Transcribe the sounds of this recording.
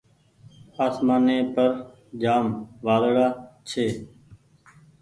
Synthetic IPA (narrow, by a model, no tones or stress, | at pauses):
aːsmaːneːpəɾ | d͡ʒaːmʋaːlɽaːt͡ʃʰeː